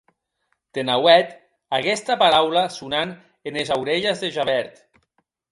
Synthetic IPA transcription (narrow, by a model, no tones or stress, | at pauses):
t̪enawɛt̪ | akɛst̪apaɾawlasunan | enezawɾeʎezðeʒaβɛɾt̪